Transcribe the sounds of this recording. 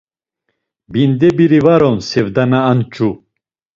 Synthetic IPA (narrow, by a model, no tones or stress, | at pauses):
bind̪ɛbiɾivaɾɔnsɛvd̪anaːnt͡ʃʼu